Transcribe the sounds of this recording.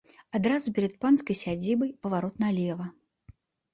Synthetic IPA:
ad̪ɾazupʲɛɾɐt̪̚panskɐjsʲad͡zʲibɐjpɐvaɾɔt̪nalʲɛvɐ

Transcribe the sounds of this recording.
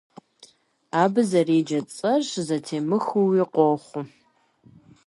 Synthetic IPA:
aːbɨzɐriːd͡ʒɐt͡sʼɐʂzɐtʰeːmɨxuwiqʷoχʷʊ

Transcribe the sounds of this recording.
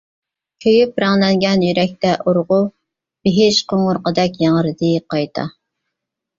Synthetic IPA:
kʲʰøjypɾɑŋlɛŋɡʲɛnjyɾɛk̚ʲt̪ʰɛʔoɾʁʊ | b̥ɪɦɪʃqʰoŋʊɾqəd̪ɛkʲjɑŋəɾɨd̪ɨqʰɑjt̪ʰɑ̰

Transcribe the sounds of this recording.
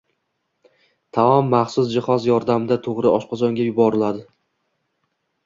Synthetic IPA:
t̪ʰaɒmːaχsʊsd͡ʒɪχɒzjɒɾd̪amɪd̪at̪ʰoʁɾɪɒʃqɒzɒŋɡʲajʊbɒɾɪlad̪ɪ

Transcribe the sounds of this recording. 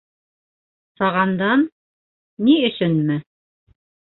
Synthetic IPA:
sɑʁɑnd̪ɑnː | iɵ̆sɵnmɘ

